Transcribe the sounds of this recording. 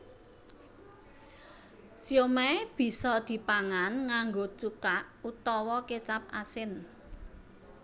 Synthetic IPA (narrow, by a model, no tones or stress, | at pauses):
sjomɛb̥i̤sɔd̪̥i̤paŋanŋaŋɡot͡ʃukaʔut̪ɔwɔket͡ʃap̚asɪn